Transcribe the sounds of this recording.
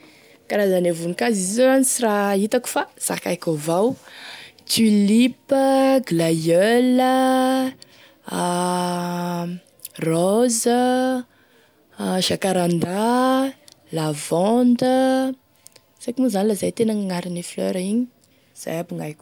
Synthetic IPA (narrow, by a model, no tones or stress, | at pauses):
kaɾazanevunikazizozanisirait̪aku̥faz̥a̰kajkʲovaw | t͡ʃilipəɡlajølə | rɔzə | ʃakaɾand̪a | lavɔnd̪ə | sakimuzanilazajt̪enaŋaŋaɾiniflœ̰ɾiɲi | z̥a̰jabuŋajkʲ